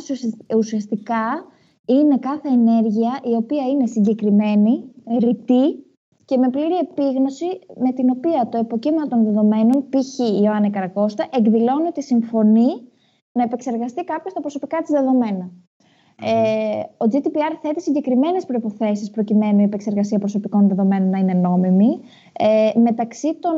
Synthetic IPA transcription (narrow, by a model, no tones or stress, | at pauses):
usiɐst̪ikɐ | ine̞kɐθe̞ːne̞ɾʝiɐʔio̞piɐine̞siɲɟe̞kɾime̞niɾit̪i | ce̞me̞pliɾie̞piɣno̞sime̞t̪ino̞piɐt̪o̞epo̞cimɐt̪o̞nðe̞ðo̞me̞no̞npiçiːoɐnɐikɐɾɐko̞st̪ɐʔe̞ɡðilo̞niot̪isiɱfo̞ni | nɐepe̞kse̞ɾɣɐst̪ikɐpço̞st̪ɐpɾo̞so̞pikɐt̪izðe̞ðo̞me̞nɐ | o̞d͡zit̪ipiɐɾθe̞t̪isiɲɟe̞kɾime̞ne̞spɾo̞ipo̞θe̞sispɾo̞cime̞nuiepekse̞ɾɣɐsiɐpɾoso̞piko̞nðe̞ðo̞me̞no̞nːɐine̞no̞mimi | me̞t̪ɐksit̪o̞